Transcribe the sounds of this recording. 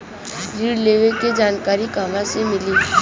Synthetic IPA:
ɾiːɽleːʋeked͡ʒaːnkaːɾikaːmãsemɪliː

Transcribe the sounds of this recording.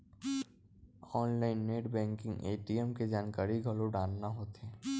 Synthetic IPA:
ɔːnlaːɪnːeːʈbɛ̃ːŋkɪ̃ŋɡeːʈiɛmked͡ʒaːnkaːɾiɡʱɐloɖaːlnaɦoːt̪eː

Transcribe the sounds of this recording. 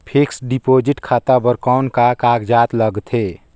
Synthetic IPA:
pʰeksɖipoːd͡ʒɪʈkʰaːt̪abəɾkaʊnkakaːɡd͡ʒaːt̪ləɡt̪ʰɦe

